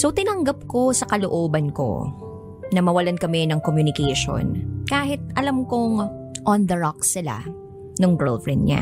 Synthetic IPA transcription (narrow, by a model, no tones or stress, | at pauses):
sot̪ɪnɐŋɡɐp̚ko̞sɐkɐloʔoːbɐnko̰ | nɐmɐwɐlankɐmɛnɐŋkomjunɪkɛjʃo̰nkaːhɪt̪̚ʔɐlamkoŋ | ʔond̪ɐɹɔk̚sɪla̰ | nʊŋɡɛlfɹɛnd̪̚ɲa̰